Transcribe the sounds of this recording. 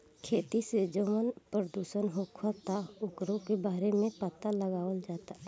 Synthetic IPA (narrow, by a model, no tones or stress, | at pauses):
kʰeːt̪ised͡ʒoːmənpɾəd̪uːʃənɦokʰat̪aʊkɾõkebaːɾemẽpət̪aləɡaːʋəld͡ʒaːt̪a